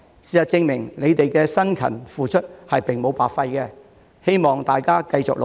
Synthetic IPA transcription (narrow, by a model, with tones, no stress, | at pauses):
siː˨˩sɐ˨t̚t͡sɪ˧ŋmɪ˨˩ŋle˨˧jt̪e˨jkɛː˧sɐ˥nkʰɐ̰˨˩nfuː˨t͡ʃʰɵ˥t̚hɐ˨jpɪ˨ŋmo˨˧wpaː˨kfɐ˧jkɛ˧ | he˥jmɔː˨˩ŋt̪aː˨jkaː˥kɐ˧jt͡sʊ̰˨k̚lo˨